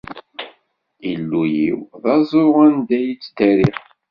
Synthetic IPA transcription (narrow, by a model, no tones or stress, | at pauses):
ilːujiwðɑzˤoʁænd̪æjit͡sːd̪æɾiχ